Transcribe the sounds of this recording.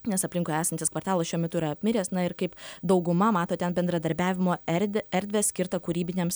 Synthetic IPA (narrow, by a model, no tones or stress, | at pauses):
nʲɛsɐpʲlʲɪŋkoːæːsɐnt̪ʲɪskʋɐɾt̪ɑːlˠɐsʃʲuɔmʲɛt̪ʊiːɾɐɐpʲmʲɪɾʲeːsnɐɪɾkɐɪpd̪ɐʊɡʊmɐmɑːt̪oːt̪ʲɛnbʲɛnd̪ɾɐd̪ɐɾʲbʲæːʋʲɪmoːɛɾʲd̪ʲɛɾʲd̪ʲʋʲeːsʲkʲɪɾt̪ɐkuːɾʲiːbʲɪnʲeːms